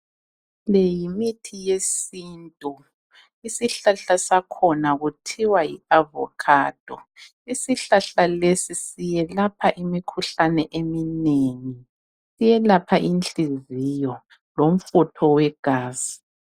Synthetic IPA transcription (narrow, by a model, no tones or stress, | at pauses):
lɛjimitʰijesintʼu | isiɬaɬasakʰɔnaɣutʰiwajḭavɔ̰kʰaːd̥ʱɔ | isiɬaɬalesisijɛlapʰaʔimikʰuɬanɛʔemineŋi | sijɛlapʰaʔint͡ɬʼizijɔ | lom̩futʰɔwɛɡ̥ʱaːz̥u